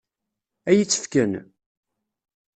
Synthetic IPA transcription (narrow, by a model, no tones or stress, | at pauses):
æjət͡sːə̥fkən